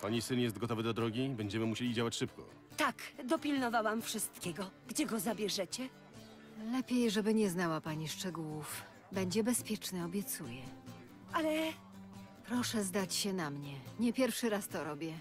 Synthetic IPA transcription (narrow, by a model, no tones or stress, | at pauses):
paɲisɘnjɛst̪ɡɔt̪ɔvɘd̪ɔd̪ɾɔɡʲibɛɲd͡ʑɛmɘmuɕelʲid͡ʑawat͡ɕʂɘpkɔ̰ | t̪akd̪ɔpʲilnɔvawamfʂɘst̪kʲɛɡɔɡ̥d͡ʑɛɡɔzabʲjɛʐɛt͡ɕɛ | lɛpʲjejʐɛbɘɲɛznawapaɲiʂt͡ʂɛɡuwuf | bɛɲd͡ʑɛbɛspʲjɛt͡ʂnɘɔbʲjɛt̪sujɛ | alɛ | pɾɔʂɛzd̪at͡ɕɕɛnamɲɛɲɛpʲjɛɾfʂɘɾast̪ɔɾɔbʲjɛ